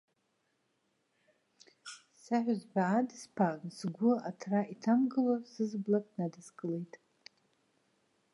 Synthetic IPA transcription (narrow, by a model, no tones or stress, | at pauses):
saħʷᶣazbʷaːdɨspʰansɡʷʊatʰraʔitʰamɡɨlosɨzblakʼnadɨzkʼɨle̞jtʼ